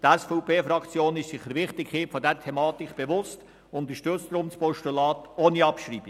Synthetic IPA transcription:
tɛsfɔpeːfɾɑkt͡sjoːnɪʃsɪχəɾʋɪχtɪkhiːtfɔdɛɾtʰɛmɑːtɪkb̥evʊst | ʊnt̪əʃtøt͡sd̪ɾʊmspɔʃtulɑːtoːniɑpʃriːbi

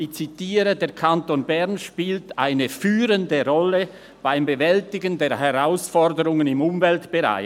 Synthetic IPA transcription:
ɪçt͡sitiːɾədeːʁkʰantonbɛʁnʃpiːlta̰ɪnəfyːɾəndəʁɔlə | b̥aɪmbəvɛltɪɡəndeːɐɦɛʁaʊsfɔʁdəʁʊŋənɪmʊmvɛltb̥əʁa̰ɪ

